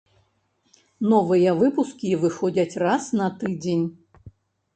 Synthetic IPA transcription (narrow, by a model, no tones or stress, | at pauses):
nɔvɨjɛvɨpuskʲivɨxɔd͡zʲɐt͡sʲrasnɐt̪ɨd͡zʲenʲ